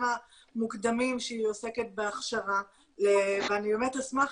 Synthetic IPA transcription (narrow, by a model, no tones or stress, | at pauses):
ma | mukd̪amimʃeiiose̞ket̪̚beaχʃava | leveanibe̞metasmaχ